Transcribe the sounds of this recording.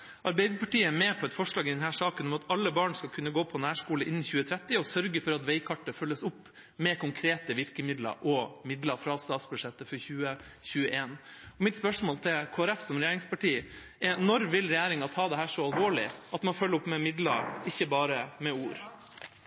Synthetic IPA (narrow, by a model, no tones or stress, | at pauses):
ʔɑɾbɛɪd̪əpɑʈiːəɛmɛːpʰɔɛt̪fɔʂɭɑːɡɪd̪ɛnhæːʂɑːkənɔmɑt̪ʰɑlːəbɑːɳskɑlkʰʉnːəɡoːpʰɔnæːʂkuːləʔɪnːɪçʉːət̪ʰɾɛt̪ːɪɔsœɾɡəfɔɾɑt̪ʋɛɪkʰɑʈːəfœlːəsʊpː | mɛkʰʊŋkʰɾeːt̪əʋɪɾkəmɪd̪lɑ̰ɾʔɔmɪd̪lɑɾfɾɑst̪ɑːt̪sbʉʂɛt̪ːəfɔɾçʉːəçʉːəʔeːnɔmɪt̪spœʂmoːlt̪ʰɪlkʰoːæɾɛfsɔmɾɛjæːɾɪŋspʰɑʈiː | ɛnɔɾʋɪlɾɛjæːɾɪŋɑt̪ʰɑːd̪ɛɦæːʂɔɑlʋoːɭɪ̰ʔɑt̪mɑnfœlːəɾʊpmɛmɪd̪lɑ̰ɾɪçːəbɑːɾəmɛuːɾ